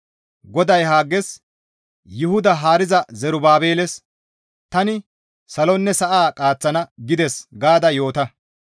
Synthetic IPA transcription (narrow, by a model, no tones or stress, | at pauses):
ɡɔd̪ɐjɦaːɡːɛs | jʊhʊd̪ɐɦaːɾɪzɐzɛɾʊbaːbe̞ːlɛs | t̪ɐnɪ | sɐlɔnːɛsɐʔaːkʼaːt͡sːɐnɐɡɪd̪ɛsɡaːd̪ɐjo̞ːt̪ɐ